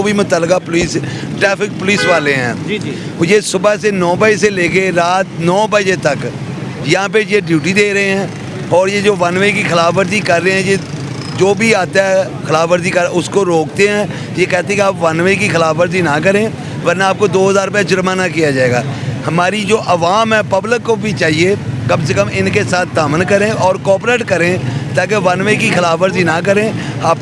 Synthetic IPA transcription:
obimʊt̪əlːkapʊliːsʈɾɛːfɪk̚pʊliːsʋaːleɦɛ̰̃ː | jeːsʊbasenɔːbəeseleːkeɾaːt̪̚nɔːbəd͡ʒet̪ək | jəɦãːp̬ejeɖjuːʈiːd̪eːɾəɦeɦɛ̃ː | ɔːɾjed͡ʒoːʋənʋeikixəlaːfʋəɾd̪ikəɾːəeɦɛ̃jeː | d͡ʒoːbʱiaːt̪aɛ | kʰəlaːfʋəɾd̪iːkəɾʊskoɾoːk̚t̪eɦɛ̃ː | jekɛːt̪eɛ̃keaːpʋɐnʋekixəlaːfəɾd̪inak̬əɾẽ | ʋəɾnaaːp̚kod̪oːɦəzaːɾp̬ɛd͡ʒʊɾmaːnakijad͡ʒaːeːɡa̰ːhəmaːɾid͡ʒoːʔəʋaːmɦɛ̃ːpəbləkːobʱit͡ʃaːɦiekɐmsekəmɪnkesaːt̪̚ʰt̪aːmənkəɾẽʔɔːɾkɔːpɾeːʈkəɾẽt̪aːk̬eʋɐnʋekixəlaːfəɾd̪inakəɾẽː | aːp

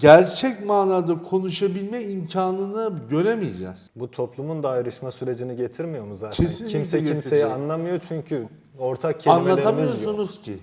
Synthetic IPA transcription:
ɟæɾt͡ʃʰɛcmaːnaːd̪akʰo̞nuʃabilʲmɛimcʰaːnɯnɯɟø̞ɾemijed͡ʒɛ̰z̥but̪ʰo̞plˠumund̪aːjɾɯʃmasyɾe̞d͡ʒiniɟe̞t̪ʰiɾmijo̞ɾmuzaːcʰesinimseimsejɛanlˠamɯjo̞t͡ʃʰyɲcʰy | oɾt̪ʰak̚cʰeanlˠalʰamjosunuz̥cʰɪ̰

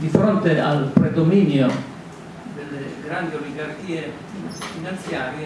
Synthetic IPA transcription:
d̪ifɾont̪ealpɾed̪ominjo | d̪elːeɡɾand̪ioliɡark̟iːe | finant̪sjaːɾje

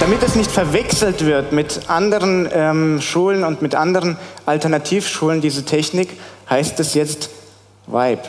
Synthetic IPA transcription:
d̥amɪtɛsnɪçtfɛɐvɛksl̩tv̥ɪɐtmɪtʔandəʁ̞ənʔɛmʃuːlənʊntmɪtʔandəʁənʔaltɛɐnatʰiːfʃuːləndiːzətʰɛçnɪkhaɪstɛsjɛt͡st | va̰ɪp

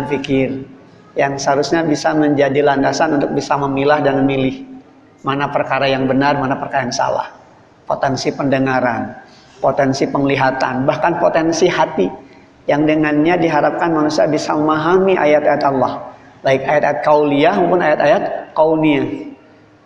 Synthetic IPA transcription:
anfikɪr | jaŋsəɦaɾusɲabisaməɲd͡ʒadilandasanunt̪ʊk̚bisaməmilahdanməmilɪh | manapərkaɾajaŋbənarmanapərkaɾajaŋsa̰la̰h | po̰t̪ɛnsipəndəŋaɾan | pot̪ɛnsipəŋliɦat̪a̰nbahkanpot̪ɛnsihat̪i | jaŋdəŋanɲadiɦaɾap̚kanmanusiabisaməmaɦamiʔa̰jat̪ajat̪alːɔh | baɪk̚ajat̪ajat̪̚kauliampʊnajat̪ajat̪̚kaunia

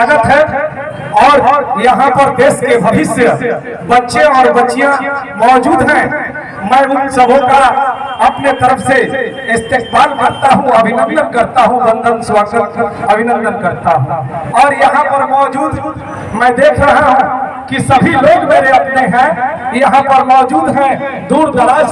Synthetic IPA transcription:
aɡət̪ɦɛ̃ | ɔːɾjɐɦãpəɾd̪eːskebəɦɪsjə | bətːʃẽɔːɾbətːʃiẽmɔːd͡ʒuːd̪ɦɛ̃ | mɛ̃ʊnsəbʱõkaɐpnet̪əɾəfse | ɪst̪eːsbaːlkəɾt̪aɦũɐbʱɪnə̃nd̪ənkəɾt̪aɦũbə̃nd̪ʱənswaːɡət̪ɐbʱɪnə̃nd̪ənkəɾt̪aɦũɔːɾjɐɦãpəɾmɔːd͡ʒuːd̪ | mɛ̃ːd̪eːkʰɾəɦaɦũ | kisɐbʱiloːɡmeːɾeɐpneɦɛ̃jɐɦãpəɾmɔːd͡ʒuːd̪ɦɛ̃d̪uːɾd̪ʱəɾaːd͡ʒ

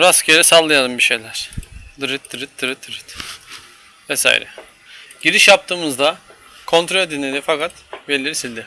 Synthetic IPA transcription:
ɾascʰeɾɛsalˠːɯjad̪ɯmbiʃe̞jlʲæɾ̥d̪ɯɾɯt̪̚d̪ɯɾɯt̪̚d̪ɯɾɯt̪̚d̪ɯɾɯt̪ | vɛsa̰ːḭɾɛ̰ | ɟ̥iɾiʃjap̚t̪ʰɯːmɯzd̪akʰo̞nt̪ʰɾolʲd̪inlʲed̪ifakat̪belʲeɾisilʲd̪ɪ

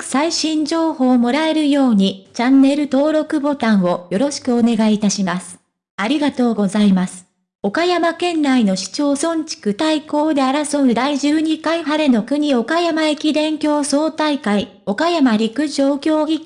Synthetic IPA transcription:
saiɕĩɲ̟d͡ʑo̞ːho̞ːmo̞ɾae̞ɾɯ̟jo̞ːɲ̟it͡ɕãnːe̞ɾɯ̟t̪o̞ːɾo̞kɯ̟bo̞t̪ãɰ̃o̞jo̞ɾo̞ɕi̥kɯ̟o̞ne̞ɡait̪aɕimasɨ̥ | aɾʲiɡat̪o̞ːɡo̞zaimasɨ̥ | o̞kajamakẽ̞nːaino̞ɕi̥t͡ɕo̞ːsõ̞ɲ̟t͡ɕi̥kɯ̟t̪aiko̞ːd̪e̞aɾaso̞ɯ̟d̪aiʑɨːɲ̟ikaiɦaɾe̞no̞kɯ̟ɲ̟io̞kajamae̞kʲid̪ẽ̞ŋkʲo̞ːso̞ːt̪aikai | o̞kajamaɾʲikɯ̟ʑo̞ːkʲo̞ːɡʲi

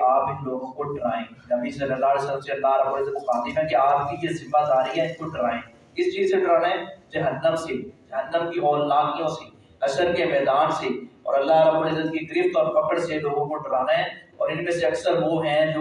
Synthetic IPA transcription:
aːpɪnloːɡõkoɖɐɾaːḛ̃ːnɐbisɐlːəlːaːalesələmseɐlːaɦɾɐbuːlɪzət̪̚kiaːd̪imɛ̃keaːp̚kibezɪmːat̪aːɾəɦiɦɛ̃ɪnkoɖɐɾaːẽː | ɪst͡ʃiːzseɖɐɾaːnaɦɛ̃d͡ʒɐɦənːəmsed͡ʒɐɦənːəmkiɔːlːaːkijõse | ɐsəɾkemɛːd̪aːnseɔ̰ːɾɐlːaɦɾɐbulɪzət̪̚kikɪɾɪft̪ɔːɾfɐkəɽseloːɡõkoɖɐɾaːnaɦɛ̃ɔːɾɪnmẽseɐksəɾʋoɦɛ̃d͡ʒoː

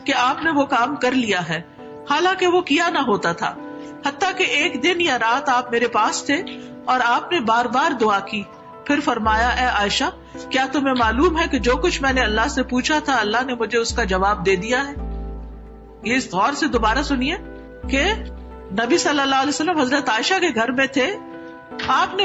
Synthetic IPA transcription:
keaːpneʋokaːmkɐɾlijaɦɛː | haːlãːkeʋokijanaɦoːt̪at̪ʰa̰ː | hɐt̪ːakeʔeːkd̪ɪnjaɾaːt̪aːp̚meːɾepaːst̪ʰe | ɔːɾaːpnebaːɾbaːɾd̪ʊaːkiː | pʰɪɾfɐɾmaːjaʔɛːʔaːɪʃa | kjaːt̪ʊmẽmaːluːmɦɛked͡ʒoːkʊt͡ʃʰmɛ̃ːneɐlːaɦsepuːt͡ʃʰat̪ʰaɐlːaɦnemʊd͡ʒʱeʊskad͡ʒɐʋaːb̚d̪eːd̪ijaɦɛː | jeɪsɣɔːɾsed̪oːbaːɾasʊnie | ke | nɐbisɐlːəlːaɦlɛːsəlːəmɦɐzɾət̪aːɪʃakeɡʱɐɾmẽt̪ʰe | aːpne

